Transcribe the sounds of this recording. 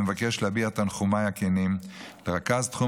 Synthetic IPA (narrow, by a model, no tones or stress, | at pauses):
mevakeʃlebiat̪anχumajakenimleʁakazt̪χu